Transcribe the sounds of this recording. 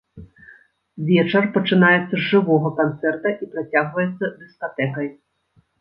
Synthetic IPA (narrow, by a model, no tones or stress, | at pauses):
vʲɛt͡ʂɐrpɐt͡ʂɨnajɛt̪sːɐʐɨvɔɣɐkant̪sɛrt̪ɐʔipɾat͡sʲaɣvɐjɛt̪sːɐd̪ɨskat̪ɛkɐj